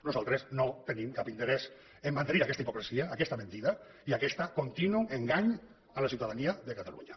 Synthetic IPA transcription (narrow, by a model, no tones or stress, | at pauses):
nuzalˠt̪ɾesnot̪enimkapint̪eɾɛs | emːant̪eniɾakɛst̪aipokɾesiaːkɛst̪amẽnt̪iða | iakɛst̪akont̪inueŋɡaɲ | alasiuwt̪aðaniaðekat̪alṵɲa